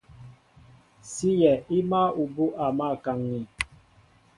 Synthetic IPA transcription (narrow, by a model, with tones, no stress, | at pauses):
si˦jɛ˨i˦ma˦u˨bu˦ʔa˨ma˦˨ka˨ŋni˨